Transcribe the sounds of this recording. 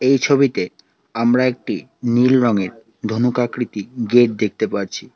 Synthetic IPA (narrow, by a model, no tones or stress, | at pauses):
ejt͡ɕʰobit̪e | amɾaek̚ʈinilɾɔŋeɾ | d̪ʱonukakɾit̪iɡeʈ̚d̪ek̚ʰt̪epaɾt͡ɕʰi